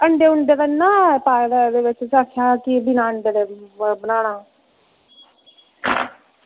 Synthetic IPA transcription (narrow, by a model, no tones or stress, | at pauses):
əɳɖeːʊɳɖeːd̪aːnaːpaːd̪ɛːd̪eːʋɪt͡ʃsaːkʰaːkibiːnaːəɳɖeːd̪eːbənaːnaː